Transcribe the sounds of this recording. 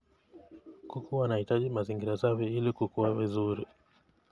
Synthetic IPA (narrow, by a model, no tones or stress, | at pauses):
kukʰuwanahitaʄimaziŋɡiɾasaviilikukuwavizuɾi